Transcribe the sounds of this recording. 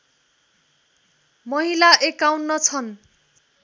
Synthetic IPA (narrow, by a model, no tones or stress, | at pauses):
mʌɦilaʔekawnːʌt͡sʰʌn